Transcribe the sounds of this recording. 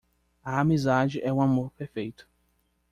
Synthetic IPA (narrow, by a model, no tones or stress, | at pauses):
ɐamizad͡ʒɪʔɛũamoɾpeɾfejt̪ʊ̥